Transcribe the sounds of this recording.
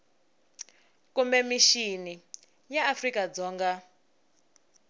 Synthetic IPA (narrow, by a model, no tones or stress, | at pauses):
kumbɛmiʃini | jaːfrikad͡zɔːŋɡa